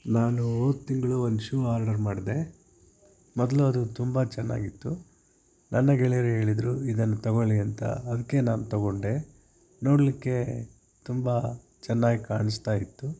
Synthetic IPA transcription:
naːnuoːd̪t̪iŋɡɐɭuond̪uʃuːaːɾɖɐɾmaːɽid̪e̞ | mɔd̪ɐluɐd̪ut̪umbɐt͡ʃɛnːa̰ːɡit̪ːu | nʔɐnːɐɡɛɭijɐɾeɦe̞ːɭid̪ɾuid̪ɐnːut̪ɐɡoɭiɐnt̪ɐ̰ːd̪ɐkːe̞naːnut̪ɐɡo̞ɳɖe̞ | no̞ːɽɐlikːe̞ | t̪umbɐ | t͡ʃɛnːaːɡikaːɳist̪aːjit̪ːu

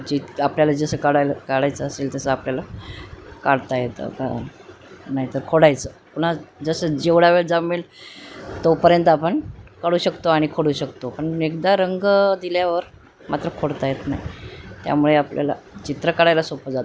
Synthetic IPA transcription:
d͡ʑiapljalad͡zəsəːkaɽajlkaɽajt͡səːselt̪əsəapljala | kaɽt̪ajet̪ə̰ka̰ | naɦit̪əɾkʰoɽajt͡səpuɽ̤̃ad͡zəsəːd͡ʑeʋɽaʋeɭd͡zamiːl | t̪opəɾjənt̪apəɳkəɽuːɕəkt̪oaɽ̃ikʰoɽuːɕəkt̪opəɳekd̪aɾəŋɡd̪iljaʋəɾ | mat̪ɾəkʰoɽt̪ajet̪naɦit̪ja̰muɭeaplja̰la̰t͡ɕit̪ɾəkaɽajlasopəd͡zat̪

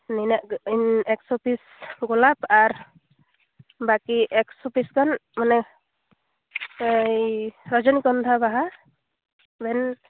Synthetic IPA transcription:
ninaʔinɛksɔpʰis | ɡɔlapaɾ | bakiʔɛksɔpisɡanmanɛ | jɾɔd͡ʒɔnikɔnd̪ʰʱabaɦa | bɛn

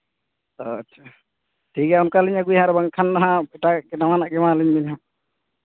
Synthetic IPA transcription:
tot͡ʃʰa | ʈʰikɛunkaliɲaɡujɦãɾɛbaŋkʰanːaɦãɛʈakɛnawanaʔɡɛmaliɲbiɲɦã

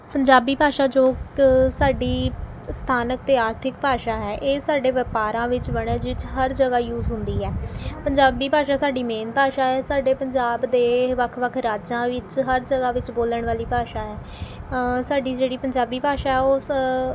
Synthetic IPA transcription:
pəɲd͡ʒaːbiːpaːʃaːd͡ʒoːsaːɖiː | st̪ʰaːnək̚t̪eːaːɾt̪ʰɪk̚paːʃaːɦɛːʔeːsaːɖeːʋəpaːɾãːʋɪt͡ʃʋəɽəd͡ʒʋɪt͡ʃɦəɾd͡ʒəɡaːjuːzɦʊ̃nd̪iːɦɛːpəɲd͡ʒaːbd̪iːpaːʃaːsaːɖiːmẽːnpaːʃaːɦɛːsaːɖeːpəɲd͡ʒaːbd̪eːʋəkʰʋəkʰɾaːd͡ʒãːʋɪt͡ʃɦəɾd͡ʒəɡaːʋɪt͡ʃboːləɳ̃ʋaːliːpaːʃaːɦɛː | saːɖiːd͡ʒeːɽiːpəɲd͡ʒaːbiːpaːʃaːɛːoː

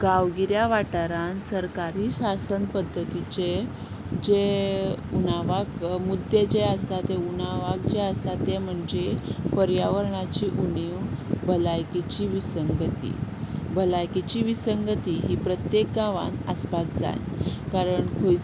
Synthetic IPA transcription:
ɡaʋɡiɾjaʋaʈaɾansəɾkaɾiːɕasənpəd̪ʱːət̪it͡ɕe | d͡ʑe | unaʋakmud̪ʱed͡ʑeəsat̪ɛunaʋakd͡ʑeəsat̪ɛm̤əɳd͡zepəɾjaʋəɾɳat͡ɕiːʔuniwbʱəlajkit͡ɕiːʋisəŋɡət̪ḭːbʱəlajkit͡ɕiːʋisəŋɡət̪iːɦiːpɾət̪jek̚ɡaʋa̰nəsbakd͡za̰jkaɾəɳkʰoj

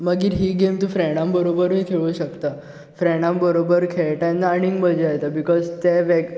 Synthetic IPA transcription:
məɡiːɾɦiːɡemt̪ũfɾɛɽ̃ãmbəɾobəɾɦekʰeɭuːɕəkt̪a | fɾɛɽ̃ãmbəɾobəɾkʰeɭʈanːaːɽ̃ĩŋɡbəd͡ʑeajt̪abikɔzt̪eʋeɡ

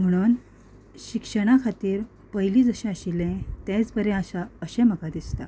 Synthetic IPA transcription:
m̤əɽ̃uːn | ɕikʂəɽ̃akʰat̪iːɾ | pəjiliːd͡zəɕɛ̃əɕilɛ̃t̪ɛ̃t͡sbəɾɛ̃aɕaəɕeɛ̃məkad̪ist̪a̰

